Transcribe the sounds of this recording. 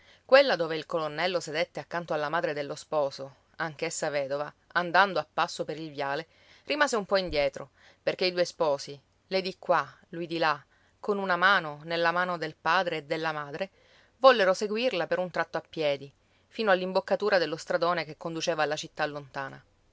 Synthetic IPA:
kwelːad̪oːveilkolonːɛlːosed̪et̪ːeakːant̪oalːamaːd̪ɾed̪elːospɔːso | aŋk̟esːavɛːd̪ova | and̪and̪oapːasːopeɾilvjaːle | rimaːzeumpɔind̪jɛːt̪ɾo | perk̟eid̪uːespɔːsi | led̪ikːwa | lujd̪ila | kːonunamaːnonelːamaːnod̪elpaːd̪ɾeːd̪ːelːamaːd̪ɾe | vɔlːeɾoseɡwirlapeɾunt̪ɾat̪ːoapːjɛːd̪i | fiːnoalːimbokːat̪uːɾad̪elːost̪ɾad̪oːnekekːond̪ut͡ʃeːvalːat͡ʃit̪ːalːont̪aːna

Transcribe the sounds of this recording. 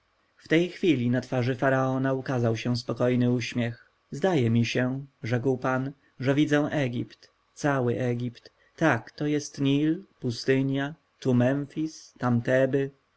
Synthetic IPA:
ft̪ɛjxfʲilʲinat̪faʐɘfaɾaɔnaukazawɕɛ̃spɔkɔjnɘuɕmʲjɛx | zd̪ajɛmʲiɕɛʐɛkwpan | ʐɛvʲid̪zɛw̃ʔɛɡʲipt̪ | t̪sawɘʔɛɡʲipt̪ː | akt̪ɔjɛst̪ɲilpust̪ɘɲja | t̪umɛmfʲist̪amt̪ɛbɘ

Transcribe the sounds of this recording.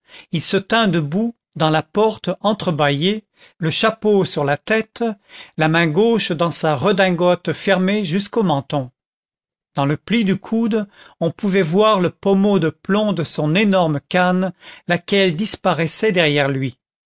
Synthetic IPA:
ilsət̪ɛ̃d̪əbu | d̪ɑ̃lapɔʁt̪ɑ̃t̪χəbaje | ləʃaposyʁlat̪ɛt̪lamɛ̃ɡoʃd̪ɑ̃saʁəd̪ɛ̃ɡɔt̪fɛʁmeʒyskomɑ̃t̪ɔ̃ | d̪̥ɑ̃ləplid̪ykʰud̪ɔ̃puvɛvwaʁləpɔmod̪əplɔ̃d̪əsɔ̃nenɔʁmkanlakʲɛld̪ispaʁɛsɛd̪ɛʁjɛʁlɥi

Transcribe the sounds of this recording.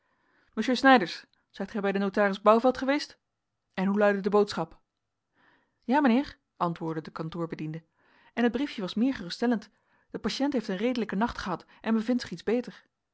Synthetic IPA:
məʃøːsnɛjdəɹs | z̥ɛjtχɛjbɛjdənowtaːrɪzbɑwvɛlˠtχəʋejst | ʔɛnɦulœɥdədəbowtsχɑp | jaːmənɪːɹ | ʔɑntʋʊːɹdədəkɑntʊːɹbədində | ɛnɦəd̚brifjəʋɑsmɪːɹχərɵstɛlənt | d̥əpaʃɛntɦejftənrejdələkənɑχtχəɦɑt | ʔɛnbəvɪntsɪχidzbejtəɹ

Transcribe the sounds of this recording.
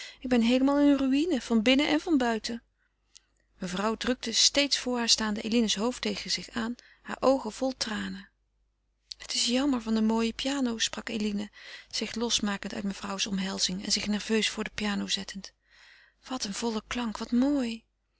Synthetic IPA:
ʔɪɡ̚bɛnɦejləmaːlˠɪnənryinəv̥ɑnbɪnəʔɛnvɑnbœɥtə | məvrʌwdrɵk̚təstejtsfʊːɹɦaːɹstaːndəʔejlinəsɦowftejχənz̥ɪχaːn | ha̰ːɹʔowχəv̥ɔlˠtraːnə | hətɪsjɑməɹvɑndəmoːjəpijaːnowsprɑkelinəz̥ɪχlɔsmaːkəntœ̰ɥtməv̥rʌwsɔmɦɛlˠz̥ɪŋɛ̰nzɪχnɛɹv̥øɥsfʊːɹdəpijaːnowzɛtənt | ʋɑtənv̥ɔlˠəklɑŋkʋɑtmoːj

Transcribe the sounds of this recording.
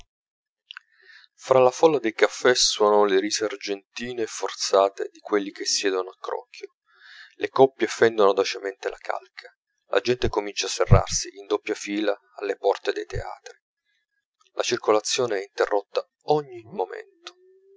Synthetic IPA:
fɾalafɔlːad̪elkafːɛswuɔːnonleɾizeard͡ʒent̪iːnefort̪saːt̪ḛd̪ikwelːik̟esːjɛːd̪onoakːɾɔ̰ːkʰːjo | lekɔpːjefɛnd̪onod̪ot͡ʃement̪elakʰa̰lkʰḁ | lʔa̰d͡ʒɛnt̪ekomint͡ʃafːerːa̰rsiʔind̪opːjafiːla | alːepɔrt̪ed̪ejt̪ḛa̰ːt̪ɾi | lʔa̰t͡ʃirkolat̪sːjoːneɛint̪erːot̪ːa | ɔɲːimomḛnt̪o̥

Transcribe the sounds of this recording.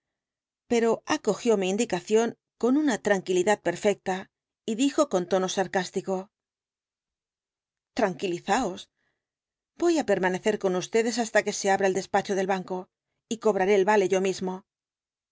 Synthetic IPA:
pe̞ɾo̞ako̞xjo̞miːnd̪ikaθjo̞ŋ | ko̞nunat̪ɾaŋkiliðað̚pe̞ɾfe̞k̚t̪a | iðixo̞ko̞nt̪o̞no̞saɾkast̪iko̞ | t̪ɾaŋkiliθao̞s | bo̞jape̞ɾmane̞θe̞ɾko̞nust̪e̞ðe̞s̬ast̪ake̞se̞aβɾaeld̪e̞spat͡ʃo̞ð̞e̞lβaŋko̞ | iko̞β̞ɾaɾe̞ːlβale̞ʝo̞mizmo̞

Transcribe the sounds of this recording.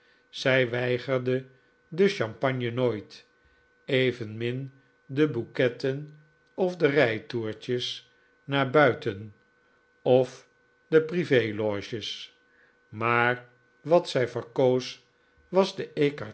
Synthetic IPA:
z̥ɛjʋɛjχəɹdə | dəʃɑmpɑɲjənoːjt | ejvənmɪn | dəbukɛtən | ɔfdərɛjtuːɹt͡ʃəs | naːɹbœɥtən | ɔf | dəprivejlɔʃəs | maːɹ | ʋɑtsɛjvəɹkows | ʋɑzdəekɑ

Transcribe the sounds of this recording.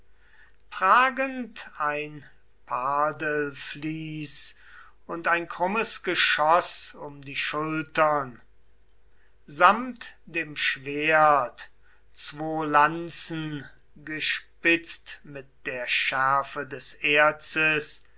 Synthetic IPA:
tʁ̥aːɡəntʰaɪn | pʰaːdəlfliːs | ʊntaɪnkʁ̥ʊməsɡ̥əʃɔsʊmdiːʃʊltɐn | zamtd̥eːmʃv̥eɐt | t͡sv̥oːlant͡sn̩ | ɡəʃpɪt͡stmɪt̚d̥eːɐʃæɐfədɛseɐsəs

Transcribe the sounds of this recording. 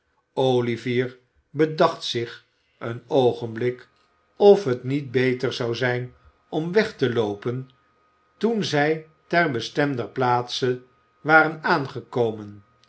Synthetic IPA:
owliviːɹ | bədɑχtsɪχ | ənowχənblɪk | ɔfɦətnit̚bejtəɹzɑwzɛjn | ɔmʋɛχtəlowpən | tunzɛj | tɛɹbəstɛmdəplaːtsə | ʋaːɾənaːnχəkowmən

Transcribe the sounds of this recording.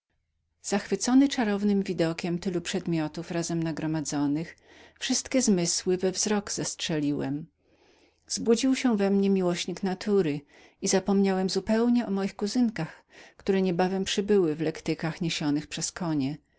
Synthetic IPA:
z̥axfɘt̪sɔnɘt͡ʂaɾɔvnɘmvʲid̪ɔkʲɛmt̪ɘlupʂɛd̪mʲjɔt̪ufɾazɛmnaɡɾɔmad̪zɔnɘx | fʂɘst̪kʲɛzmɘswɘvɛvzɾɔɡz̥ɛstʂɛlʲiwɛm | z̥bud͡ʑiwɕɛvɛmɲɛmʲiwɔɕɲiknat̪ʰuɾɘ | izapɔmɲawɛmzupɛwɲɛɔmɔjixkuzɘŋkax | kt̪uɾɛɲɛbavɛmpʂɘbɘwɘvlɛkt̪ɘkaxɲeɕɔnɘxpʂɛskɔɲɛ

